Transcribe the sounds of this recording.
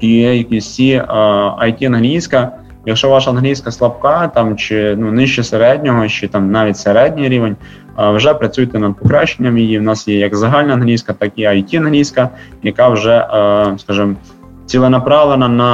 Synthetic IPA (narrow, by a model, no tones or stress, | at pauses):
ijɐkʲisʲi | ɐjtʲiɐnɦlʲijsʲkɐ | jɐkʃɔʋɑʃɐɐnɦlʲijskɐslˠɐp̚kɑt̪ɑmt͡ʃɪnunɪʃt͡ʃɔseɾɛdʲnʲɔɦɔt͡ʃɪt̪ɑmnɑʋʲitʲseɾɛdʲnʲijɾʲiʋenʲ | wʒɛpɾɐt͡sʲujɪt̪ɛnɐd̪̚pɔkɾɑʃenʲːɐmjijiwnɑsjɛjɐkzɐɦɑlʲnɐɐnɦlʲijskɐt̪ɑkiɐjtʲiɐnɦlʲijskɐ | jɐkɑwʒɛskɑʒɨm | t͡sʲilˠɔnɐpɾɑʋlˠenɐnɐ